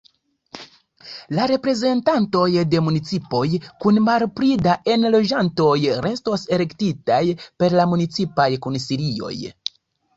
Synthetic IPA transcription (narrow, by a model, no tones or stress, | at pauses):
laɾe̞pɾe̞ze̞ntanto̞jde̞munit͡sipo̞jkunmaɾpɾidaʔe̞nlo̞d͡ʒanto̞jɾe̞sto̞se̞le̞ktitajpe̞ɾlamunit͡sipajkunsiɾio̞̰j